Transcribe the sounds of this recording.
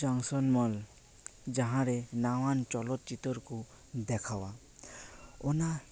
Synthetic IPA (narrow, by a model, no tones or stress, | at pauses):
d͡ʒaŋsɔnmɔl | d͡ʒaɦãɾɛnawant͡ʃɔlɔt̪̚t͡ʃit̪ɔɾku | d̪ɛkʰawa | ɔna